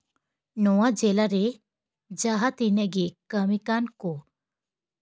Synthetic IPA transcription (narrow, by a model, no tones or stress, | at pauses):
nɔwad͡ʒɛlaɾe | d͡ʒaɦat̪inɛʔɡekəmikankɔ